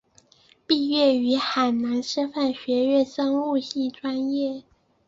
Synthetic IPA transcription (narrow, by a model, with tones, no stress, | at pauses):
pi˥˧ɥɛ˥˩y˧˥xa˨˩ɪna˧˥nʂɤ˥fa˥˩nɕɥɛ˧˥ɥɛ˥˩sɑ˥ŋu˥˧ɕi˥˩ʈ͡ʂwa˥njɛ˥˩